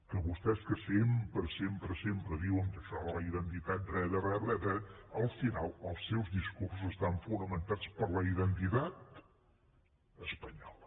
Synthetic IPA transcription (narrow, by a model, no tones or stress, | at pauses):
kəβust̪ɛskəsempɾəsempɾəsempɾəðiwəŋkəʃɔələiðənt̪it̪at̪̚rɛðərɛβɛðɛəlˠfinalˠəlˠsːɛwzðiskuɾs̬uzəst̪aɱfunəmənt̪at͡spəɾləiðənt̪it̪at̪ | əspəɲɔlə